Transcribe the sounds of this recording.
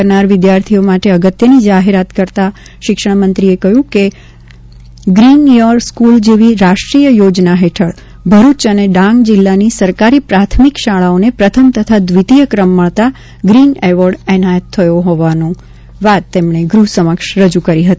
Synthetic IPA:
əɾnaɾʋɪd̪jaɾt̪ʰijomaʈeəɡət̪jənid͡ʒaɦeɾat̪kəɾt̪a | ʃɪkʃə̃mənt̪ɾiekəɦjũke | ɡɾinjəɾɾskuld͡ʒeʋiɾaʃʈɾijəjod͡ʒnaɦeʈʰəɭ | bʱəɾut͡ʃəneɖãŋɡd͡ʒɪlːanisəɾkaɾipɾat̪ʰmikʃaɭaonepɾət̪ʰəmt̪ət̪ʰad̪ʋit̪ijəkɾəmːəɭt̪a | ɡɾineʋəɾɖɛnajət̪ʰːəjoɦoʋanõ | ʋat̪ːemɳ̃eɡɾuɦsəməkʃɾəd͡ʒukəɾiɦət̪i

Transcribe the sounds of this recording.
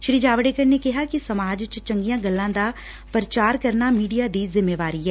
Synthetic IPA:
ʃɾiːd͡ʒaːʋɖeːkəɾnekɪɦaːkisəmaːd͡ʒt͡ʃt͡ʃə̃ŋɡijãːɡəlːãːd̪aː | pɾət͡ʃaːɾkəɾnamiːɖijaːd̪izɪmːeːʋaːɾiɦɛː

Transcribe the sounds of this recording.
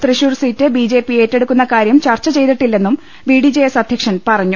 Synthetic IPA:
t̪riɕuːrsiːtːɨbiːd͡ʑe̞ːpːie̞ːtːe̞ɽukːunːɐkaːɾjɐmt͡ɕɐrt͡ɕːɐt͡ɕe̞jt̪iʈːilːe̞nːum | biːɖid͡ʑe̞ːesɐd̪ʱjɐkʂɐnpɐrɐɲːu

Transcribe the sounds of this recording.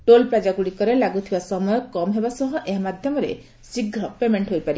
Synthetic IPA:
ʈolpɾad͡ʒaɡuɽikɔɾelaɡut̪ʰibasɔmɔjɔkɔmɦebasɔɦɔʔeɦmad̪ʱjɔmɔɾḛ | siɡʱɾɔpemeɳʈɦojpaɾi

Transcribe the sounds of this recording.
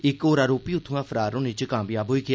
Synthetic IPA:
ɪkoːɾaːɾoːpiːʊt̪ʰːũãːpʰəɾaːɾõːnẽt͡ʃkaːmbjaːbɦoːiːɡɪ

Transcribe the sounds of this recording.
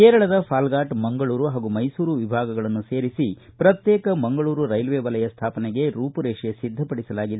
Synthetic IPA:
keːɾɐɭɐd̪ɐpʰaːlɡaːʈmɐŋɡɐɭuːɾuɦaːɡumɐjsuːɾuʋibʱaːɡɐɡɐɭɐnːuseːɾisipɾɐt̪jɛːkɐmɐŋɡɐɭuːɾuɾɐjlʋeːʋɐlɐjɐst̪ʰaːpɐnɛɡe̞ɾuːpɐɾeːʂesid̪ʱːɐpɐɽisɐlaːɡid̪e

